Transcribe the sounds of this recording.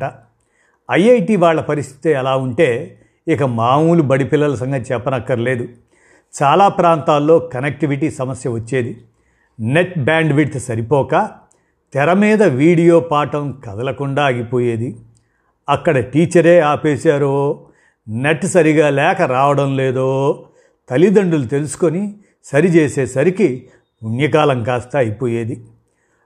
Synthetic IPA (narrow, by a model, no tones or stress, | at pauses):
ɐ | ɐjɐjʈiːʋaːɭːɐpɐɾist̪ʰi̥t̪eɛlaːuɳʈe̞ː | ikɐmaːmuːlubɐɽipilːɐlɐsɐŋɡʱɐt͡ʃɛpːɐnɐkːɐɽɐle̞ːd̪u | t͡ʃaːlaːpɾaːnt̪aːlːo̞ːkɐnek̚ʈiʋiʈiːsɐmɐsjɐʋɐt͡ʃːe̞ːd̪i | neʈ̚baːɳɖʋiɽt̪sɐɾipɔːkaː | t̪ɛɾɐmiːd̪ɐʋiːɽijo̞ːpaːʈɐmkɐd̪ɐlɐkuɳɖaːɡipo̞ːjeːd̪i | ɐkːɐɽɐʈiːt͡ʃɐɾeːaːpeːsaːɾoː | neʈːsɐɾiɡaːlɛːkɐɾaːʋɐɽɐmleːd̪oː | t̪ɐlid̪ɐɳɖulut̪e̞lusu̥koni | sɐɾit͡ʃeːseːsɐɾiki | unjɐk̬aːlɐŋkaːst̪ɐːjipoːjeːd̪i